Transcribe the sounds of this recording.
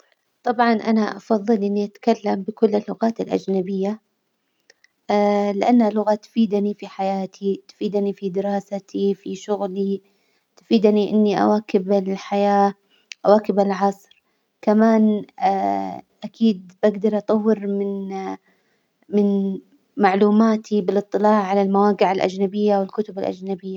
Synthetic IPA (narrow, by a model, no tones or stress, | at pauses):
t̪ˤɑbʕɑnʔanaʔɑfɑðˤːɨlʔɪnːiʔat̪ḁkalːambɪkʊlːɪlːʊɣaːt̪ɪlʔa̰d͡ʒnabɪjːa | lɪʔanːhalʊɣat̪ʊ̥fiːd̪anifiħajaːt̪ʰit̪ʊ̥fiːd̪anifid̪ɪɾɑːsat̪ʰifiʃʊɣli | t̪ʊ̥fiːd̪aniʔɪ̰nːiʔa̰waːkɪbɪlħajaː | ʔawaːkɪbalʕɑsˤɾ | kamaːnː | ʔakiːd̪̚baɡd̪ɑɾˤʔɑt̪ˤɑwːɪɾmɪn | mɪn | maʕluːmaːt̪ʰibɪlʔɨt̪ˤːɨlaːʕːalalmawaːɡɪʕɪlʔa̰d͡ʒnabɪjːawɪlkʊt̪ʊbɪlʔa̰d͡ʒnabɪjːa